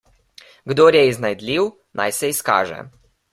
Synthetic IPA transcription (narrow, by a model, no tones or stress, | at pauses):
ɡd̪oːɾjɛiznajd̪lʲiw | nʔa̰jsɛiska̰ːʒɛ̰